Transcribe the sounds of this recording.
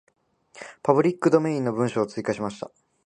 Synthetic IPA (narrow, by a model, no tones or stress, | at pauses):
pabɯ̟ɾʲikːɯd̪o̞me̞ĩnːo̞bɯ̟̃ɰ̃ɕo̞ːt͡sɨikaɕimaɕi̥t̪a̰